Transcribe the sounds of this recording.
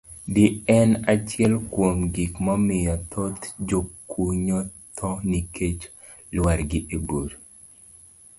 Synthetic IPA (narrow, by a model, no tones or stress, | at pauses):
dɪɛnat͡ʃjɛlkwomɡikmɔmɪjɔt̪ʰot̪d͡ʒokuɲo | t̪ʰɔnikʰet͡ʃ | lwaɾɡɪʔebod